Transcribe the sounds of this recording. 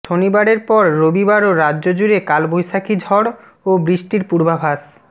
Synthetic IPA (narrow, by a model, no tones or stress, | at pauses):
ʃʰonibaɽeɾpɔɾːobibaɾoɾadːʑod͡ʑuɾekalbojʃakʰid͡ʑʱɔɽ | obɾiʃʈiɾpuɾbabʱas